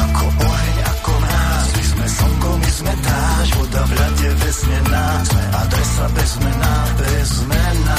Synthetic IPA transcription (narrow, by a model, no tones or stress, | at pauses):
akʰɔʔɔɦɛɲa̰kɔnaːzmizmɛsɔmɡɔmizmɛt̪aːʒɔd̪avlaɟɛvɛzɲɛnazmɛʔad̪ɾɛsabɛzmɛnabɛzmɛna